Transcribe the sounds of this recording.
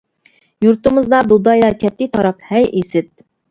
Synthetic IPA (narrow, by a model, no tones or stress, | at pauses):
juɾt̪ɨmɨzd̪ɑb̪ud̪ɑjlˠɑkʲʰɛt̪ːɪt̪ʰɑɾɑphɛjʔesɪt̪̚